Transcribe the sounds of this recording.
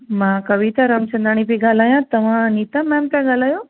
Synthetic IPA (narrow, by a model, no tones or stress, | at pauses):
mãkɐʋit̪aɾamt͡ʃɐ̃nd̪ɾaɽ̃ipiɡaːlaːjãt̪ɐʋ̤ãnit̪amɛ̃mp̪ɛ̃ɡaːlaːjo